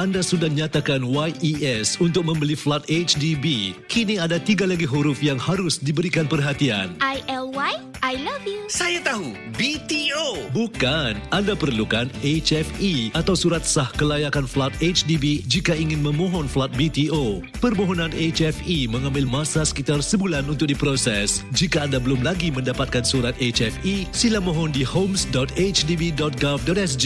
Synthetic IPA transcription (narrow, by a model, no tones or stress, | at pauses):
andasudahɲat̪akanwajʔiɛsunt̪ʊk̚mə̃mbəliflat̪̚et͡ʃdibikiniadat̪iɡalaɡiɦuɾʊfjaŋhaɾʊsdibəɾikanpərɦat̪ia̰nʔajɛlwaj | ʔajlavjusajat̪aɦubit̪iobukanandapərlukanet͡ʃɛfiat̪awsuɾat̪̚sahkəlajakanflat̪̚et͡ʃdibid͡ʒikaiŋɪnmə̃mɔ̃ɦɔnflat̪̚bit̪io | pərmɔɦɔnãnet͡ʃɛfimə̃ŋãmbɪlmãsasə̥kit̪arsəbulanunt̪ʊk̚dipɾosɛsd͡ʒikaːndabəlʊmlaɡimə̃ndapat̪̚kansuɾat̪et͡ʃɛfisilamɔ̃ɦɔndihomsdɔt̪et͡ʃdibidɔt̪̚ɡafdɔt̪ɛs̬d͡ʒi